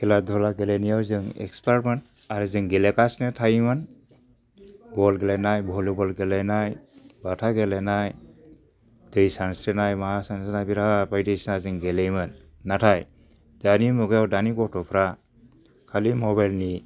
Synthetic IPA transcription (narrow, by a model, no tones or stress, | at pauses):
ɡɛladʱɔlaɡelenijawzɯŋɛ̰kspaɾmɯn | aɾɯzɯŋɡelekasnɯtʰajmɯn | bɔlɡelenajbʱɔlɯbɔlɡelenajbatʰaɡelenaj | d̥ɯjsansɾenajmasansnajbiɾapajdɯjsnazɯŋɡelejmɯnː | atʰaj | danimɔɡjawdanikɔtɔpʰɾa | kʰalimɔbajlni